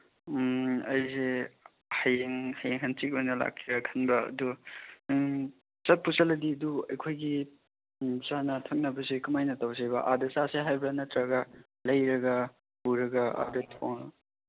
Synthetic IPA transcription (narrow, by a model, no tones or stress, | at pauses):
ɐjze | hɐjeŋhajeŋɦɐnt͡ʃik̚onɐla̰kʰːiɾɐkʰɐnbɐ̰ːdu | sɐt̚pusɐlɐdiɐduɐjkʰojɡi | sanɐtʰɐŋ̚nɐbɐsekɐmajnɐtawsajbɐʔadɐsaseɦajbɐnɐtɾɐɡɐ | lɐjɾɐɡɐ | puɾɐɡɐa̰dɐtʰoŋ